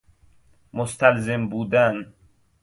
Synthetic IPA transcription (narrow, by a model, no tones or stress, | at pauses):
most̪ʰælzembuːd̪æn